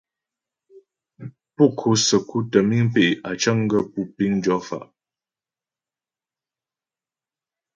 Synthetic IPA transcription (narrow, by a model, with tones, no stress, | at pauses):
pu˦˨kʰo˨sə˨ku˦tə˨mi˦ŋpe˦˨ʔa˨t͡ʃa˦ŋ˦ɡə˦pu˦pi˦ŋn˦d͡ʒɔ˨˦fa̰˨ʔ